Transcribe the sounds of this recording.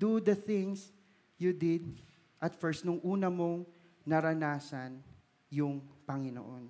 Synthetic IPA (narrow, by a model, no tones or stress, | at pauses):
d̪ud̪ɐθɪ̃ŋs | jud̪ɪd̪̚ | ʔɐt̪fɛɹst̪nʊŋʔuːnɐmo̞ŋ | nɐɾɐnaːsɐn | jʊŋpɐŋɪno̰ʔon